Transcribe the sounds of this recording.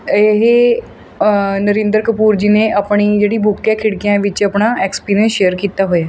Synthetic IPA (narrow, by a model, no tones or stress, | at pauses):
eɦe | nəɾẽːnd̪əɾkəpuːɾd͡ʒiːneəpɳid͡ʒeːɽibʱʊkːekʰɪɽkijãʋɪt͡ʃəpɳaɛːkspiːnẽʃeːəɾkiːt̪aɦojaː